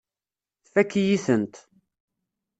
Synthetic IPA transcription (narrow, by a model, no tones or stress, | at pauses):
θfækːijiθənt̪